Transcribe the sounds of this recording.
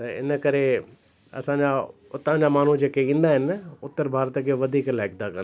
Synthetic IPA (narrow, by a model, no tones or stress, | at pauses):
t̪ɐɪ̰nəkɐɾe | ɐ̰sãːɲd͡ʑaʊt̪ãɲd͡ʑamaːn̤ud͡ʑeːkeĩːn̆d̪aɦɪnɪʊt̪ːəɾbʱaːɾt̪əkʰeʋɐd̪ʱiːklaɦɪkd̪akɐ̃n